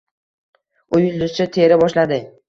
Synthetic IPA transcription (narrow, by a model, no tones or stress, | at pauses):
ʊjʊld̪ʊzt͡ʃat̪ʰe̞ɾɪbɒʃlad̪ɪ